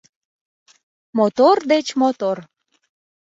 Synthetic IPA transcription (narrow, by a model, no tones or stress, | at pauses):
mot̪ord̪et͡ɕmot̪or